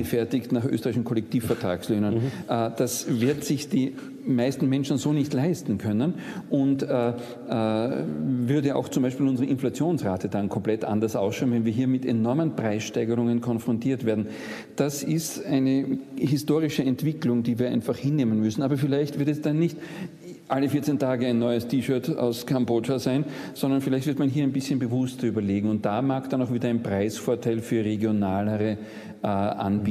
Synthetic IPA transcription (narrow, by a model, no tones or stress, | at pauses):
fɛɐtɪçtnaχʔø̰stəʁaɪçn̩kʰɔlɛk̚tiːfːɛɐtʁa̰ːksløːnənʔd̥asvɪɐtsɪçd̥iː | maɪstn̩mɛnʃn̩zoːnɪçtlaɪstn̩kʰœnən | ʔʊntː | vʏɐdəa̰ʊxt͡sʊmbæɪʃpiːlʊnzəʁəʔɪnflat͡sjoːnsʁaːtədankʰɔmplɛtʔa̰ndɐsʔaʊsʃaʊnvɛnviːɦiːɐmɪtenɔɐmənpʁ̥aɪsʃtaɪɡəʁʊŋənkʰɔnfʁ̥ɔntʰiːɐtv̥eːɐdn̩ | d̥asɪstæɪnəɦɪstoːʁɪʃəɛntv̥ɪklʊŋdiːviːɐʔæ̰ɪnfaχhɪnːeːmənmʏsn̩aːbɐfɪlæɪçtv̥ɪɐtɛsd̥anːɪçt | ʔalːəfiːɐt͡sentʰaːɡəæɪnːɔʏəstʰiːʃœɐta̰ʊskʰamboːt͡ʃazaɪn | z̥ɔndɐnfɪlæɪçtv̥ɪɐtmanɦiːɐæɪnbɪsçənbəvʊstɐyːbɐleːɡŋ̩ʊnt̚d̥amaːkd̥anaʊxv̥iːdɐæɪnpʁ̥aɪsfoːɐtʰaɪlfyːɐʁeɡjonaːləʁə | ʔʔanbiː